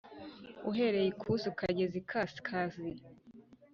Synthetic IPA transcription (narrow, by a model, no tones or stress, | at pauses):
uɦe̞ɾejikʰusukaɟezikʰaskʰazi